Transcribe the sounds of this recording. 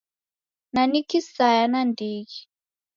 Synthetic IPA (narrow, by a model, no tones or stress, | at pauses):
nanikisajanandiːki